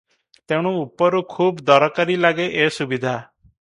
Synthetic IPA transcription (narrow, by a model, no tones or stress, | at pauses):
t̪eɽ̃uupɔɾukʰuːbd̪ɔɾɔkaɾilaɡeʔesubid̪ʱa